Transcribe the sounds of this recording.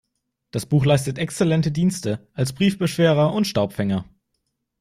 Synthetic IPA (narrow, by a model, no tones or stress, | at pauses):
d̥asb̥uːxlaɪstətʔɛkst͡sɛlɛntədiːnstəʔalsb̥ʁiːfb̥əʃv̥eːʁɐʊntʃtaʊpfɛŋɐ